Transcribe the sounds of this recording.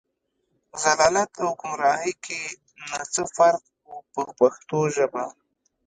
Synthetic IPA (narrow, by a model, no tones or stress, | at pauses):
zalɑlat̪awkʊmɾɑɦikʰe | nat͡səfaɾq̚ | upəpaxt̪oʒəba